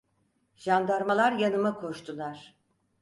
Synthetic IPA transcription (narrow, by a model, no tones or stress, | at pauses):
ʒ̥and̪aɾmalˠaɾjanɯmakʰo̞ʃt̪ʰulˠaɾ̥